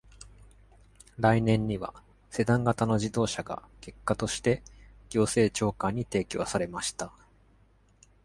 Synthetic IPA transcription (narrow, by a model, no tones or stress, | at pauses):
ɾainẽ̞ɲ̟ːiβa̰ | se̞d̪ãŋɡat̪ano̞ʑid̪o̞ːɕaɡa̰ke̞kːat̪o̞ɕi̥t̪e̞ | ɡ̥ʲo̞ːse̞ːt͡ɕo̞ːkãɲ̟ːit̪e̞ːkʲo̞ːsaɾe̞maɕi̥t̪a